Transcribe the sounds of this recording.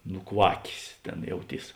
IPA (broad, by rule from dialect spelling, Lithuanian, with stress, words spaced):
nʊˈkʋɑːkʲeːs ˈtʲeːn jɛʊˈtʲiːs